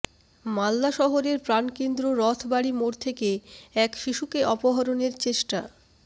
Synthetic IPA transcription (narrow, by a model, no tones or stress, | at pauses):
malːaʃɔɦoɾeɾpɾankend̪ɾoɾɔt̪ʰbaɽimoɾt̪ʰekeɛkʃiʃukeʔɔpoɦaɾoneɾt͡ɕeʃʈa̰